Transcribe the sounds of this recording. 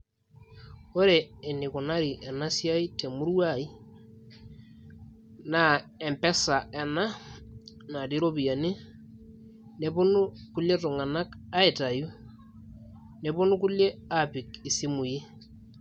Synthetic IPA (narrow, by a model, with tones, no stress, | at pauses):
o˦ɾeː˨nɪ˨ku˨na˦ɾi˨ʔɛ˨na˦sja˦i˦te˨mu˦ɾwa˦˨i˦ | na˦˨ɛ˨mpɛ˦sa˨ɛ˨na˦ | na˨ti˦ɾo˦pi˨ja˨ni˦ | ne˦bʊ˦nʊ˦ku˦le˦tʊ˨ŋa˨na˦ka˦e˨ta˨ju˦ | ne˨bʊ˦nu˦ku˦le˦a˨pi˨ki˨si˦mu˨ji˦